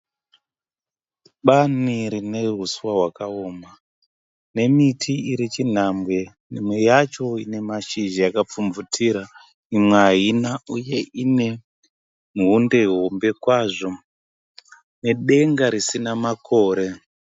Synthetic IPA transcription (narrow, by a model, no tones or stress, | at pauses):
ɓaniɾine̞ɦuswaɦwakaoːma | ne̞mitʰiiɾit͡ʃin̤ambwe̞ | nimwe̞jat͡ʃo̞ine̞maʃiʒijakap͡fumvutʰiɾa | imweaɦinauje̞ine̞ | munde̞ɦo̞mbe̞kwaʐo̞ | ne̞ɗe̞ŋɡaɾisinamakʰo̞ːɾe̞